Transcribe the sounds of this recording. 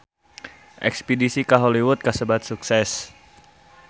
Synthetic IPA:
ʔɛ̰kspidisikaɦoliwʊt̪̚kasəbat̪̚suksɛs

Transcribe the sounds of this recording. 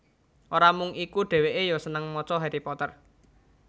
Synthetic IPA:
ʔoɾamʊŋikuɖ̥e̤weʔejɔsənəŋmɔt͡ʃɔɦeɾipɔt̪ər

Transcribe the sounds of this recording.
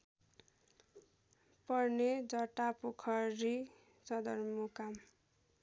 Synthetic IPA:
pʌrned͡zʌʈapokʰʌri | t͡sʌd̪ʌrmukam

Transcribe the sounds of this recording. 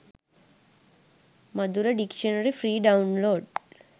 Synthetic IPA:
mɐd̪uɾɐɖikʂɐnɐɾifɾiːɖɐwnloːɖ

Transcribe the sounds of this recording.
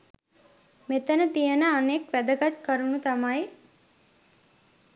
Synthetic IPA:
met̪ənət̪ijənəanekʋæd̪əɡat̪kəɾunut̪amaj

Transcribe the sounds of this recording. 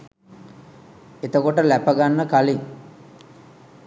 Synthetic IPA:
et̪əkoʈəlæpəɡanːəkaliŋ

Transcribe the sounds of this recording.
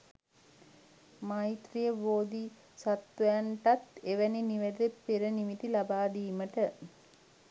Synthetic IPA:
majit̪ɾijəʋoːd̪i | sat̪ʋɐjaɳʈat̪eʋæniniʋed̪epːeɾənimit̪ilabaːɖiːməʈə

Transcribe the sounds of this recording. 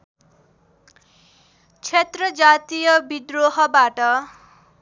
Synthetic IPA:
t͡sʰet̪rʌd͡zat̪ijʌbid̪roɦʌbaʈʌ

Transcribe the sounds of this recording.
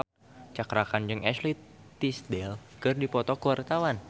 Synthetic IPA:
t͡ʃakɾakand͡ʒɨŋɛslit̪isdɛlkərdipɔt̪ɔkəwart̪awan

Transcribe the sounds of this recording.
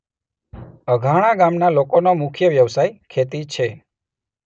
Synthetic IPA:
əɡʱaɽ̃ãɡamnalokonomʊkʰjəʋjəʋsajkʰet̪it͡ʃʰe

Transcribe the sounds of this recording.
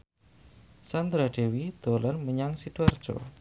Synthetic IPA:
sand̪ɾad̥ewid̪̥olanməɲaŋsid̪̥uard̥d͡ʒ̥o̰

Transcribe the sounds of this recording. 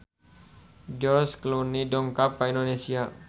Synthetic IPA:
d͡ʒɔrsklunidɔŋkapaindonesia

